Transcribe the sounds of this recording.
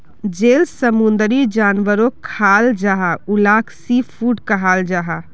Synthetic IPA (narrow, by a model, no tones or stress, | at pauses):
d͡ʒelsəmund̪ɾid͡ʒanʋəɾokʰald͡ʒaɦaulakʰsipʰuɖkəɦald͡ʒaɦa